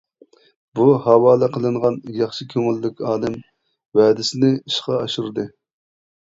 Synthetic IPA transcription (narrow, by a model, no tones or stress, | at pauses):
buhɑwɑːlˠɨqʰəlˠɨɴʁɑnjɑχʃikʲʰøŋylːɪkʲɑːlɪm | wɛːd̪ɪsɪnɪiʃqɑɑʃuɾɨd̪ɨ